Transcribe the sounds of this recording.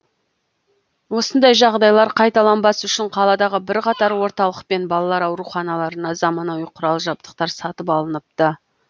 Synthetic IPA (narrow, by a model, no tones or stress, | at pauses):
wo̞sənd̪ɑjʒɑʁd̪ɑjlˠɑɾqʰɑjt̪ɑlˠɑnbɑsʏʃɪɴqʰɑlˠɑd̪ɑʁəbɪɾqɑt̪ɑɾwo̞ɾt̪ɑlˠəq̚pe̞nbɑlˠɑlˠɑɾɑwɾuχɑnɑlˠɑɾənɑzɑmɑnɑwiqʰʊɾɑlˠʒɑp̚t̪ə̥q̚t̪ɑɾsɑt̪əpɑlˠənəp̚t̪ə